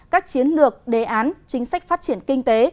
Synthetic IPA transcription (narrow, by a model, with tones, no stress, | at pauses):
kaː˦˥k̚t͡ɕi˨˦ənlɨ˨˩ək̚ɗe˨˩ʔaː˨˦nt͡ɕï˨˦ŋ̟sa˦˥jk̟̚faː˦˥t̚t͡ɕi˧˩ənkï˧ŋ̟t̪e˨˦